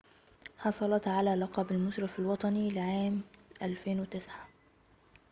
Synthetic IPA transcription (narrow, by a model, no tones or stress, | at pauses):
ħɑsˤɑlɑt̪ʕalæːlɑqɑːbalmʊʃɾɑfalwɑt̪ˤɑnilɪʕaːmʔalfeːnwɪt̪ɪsʕa